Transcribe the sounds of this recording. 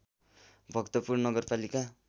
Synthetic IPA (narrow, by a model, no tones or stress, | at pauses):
bʱʌkt̪ʌpurnnʌɡʌrpalika